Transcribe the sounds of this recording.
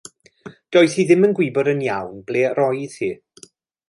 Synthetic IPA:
d̥ɔːɨθhiðɪmənɡwɪbɔɾənjawnbleːrɔjðhiː

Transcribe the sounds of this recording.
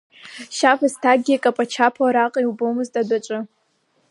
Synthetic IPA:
ʃavastʰaɡʲiakʼapʼat͡ʃʰapʰaɾaqʼiwbowmɨztʼadaʈ͡ʂʷʼɨ

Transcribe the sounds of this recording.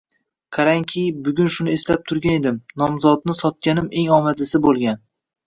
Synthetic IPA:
qʰɑɾaŋkʲʰɪjbʊɡʲʊnʃʊnɪeslap̚t̪ʰʊɾɡʲane̞d̪ɪmnɒmzɒt̪nɪsɒt̪̚kʲanɪme̞ŋɒmad̪lɪsɪbolˠɡʲan

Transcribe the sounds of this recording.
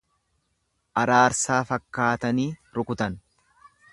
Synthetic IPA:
ʔɐɾaːɾsaːfɐkːaːt̪ɐniːɾʊkʊt̪ɐn

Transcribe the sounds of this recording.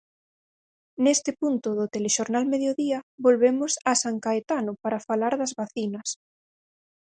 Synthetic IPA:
nest̪ɪpunt̪ʊðʊt̪eleʃoɾnalmeðjoðiɐβolβemʊsasaŋkaet̪anʊpaɾafalaɾðɐzβaθinɐs

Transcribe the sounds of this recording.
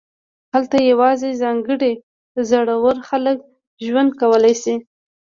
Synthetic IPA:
halt̪ajawɑzezɑŋɡəɽe | zaɽawəɾxalək̚ | ʒwand̪̚kawəlajsi

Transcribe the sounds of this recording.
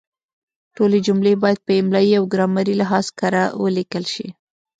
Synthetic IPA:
ʈoled͡ʒumlebɑjad̪̚pəɪmlɑjiawɡɾɑmaɾilɪɦɑzkaɾawə̰likəlʃḭ

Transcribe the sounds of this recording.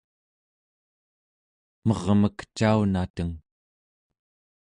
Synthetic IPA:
mʌʁməkt͡ʃaunat̪əŋ

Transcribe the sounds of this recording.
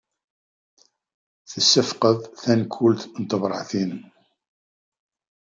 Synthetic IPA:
θəsːəfqəðˤθænkʰːult̪nt̪ˤəbɾˤɑ̰ʕθinəm

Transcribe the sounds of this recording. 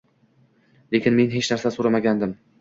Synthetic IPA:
le̞kʲɪnme̞nɦet͡ʃnaɾsasoɾamaɡʲand̪ɪm

